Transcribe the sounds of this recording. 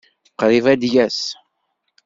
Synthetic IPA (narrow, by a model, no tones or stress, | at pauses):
qɾivæd̪jæs